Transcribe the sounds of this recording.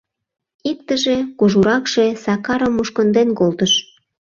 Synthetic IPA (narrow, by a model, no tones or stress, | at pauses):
ik̚t̪əʒekoʒuɾɑkʃe̽sɑkɑɾəmːuʃkə̆nd̪enkolt̪əʃ